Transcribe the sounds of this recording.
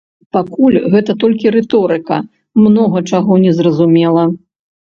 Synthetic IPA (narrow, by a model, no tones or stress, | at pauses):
pakulʲɣɛt̪ɐt̪ɔlʲkʲiɾɛt̪ɔɾɨkɐ̰ | mnɔɣɐt͡ʂaɣɔnʲɛzrɐzumʲɛlˠɐ